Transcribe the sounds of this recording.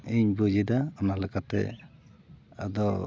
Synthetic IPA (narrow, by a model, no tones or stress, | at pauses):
iɲbud͡ʒidaɔnalɛkatɛ̰ | a̰dɔ